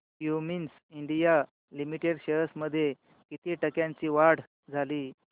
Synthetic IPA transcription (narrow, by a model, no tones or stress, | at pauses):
jumins | iɳɖija | limiʈeɽɕeɾəsməd̪ʱːje | kit̪iːʈəkjãɲt͡ɕiːʋaɽ̤ | d͡zʱaliː